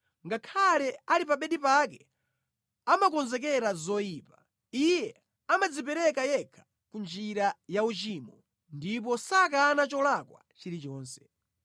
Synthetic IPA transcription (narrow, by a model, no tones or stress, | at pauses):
ŋɡakʰalɛalipaɓɛɗipak̬ɛ | amakɔnzɛk̬ɛɾazɔjiːpa | ijɛ | amad͡zipɛɾɛkajɛkʰḁ | kund͡ʒiɾajaut͡ʃiːmɔ | ndip̬ɔsakanat͡ʃɔlakwa̰t͡ʃiɾit͡ʃɔːnsɛ̥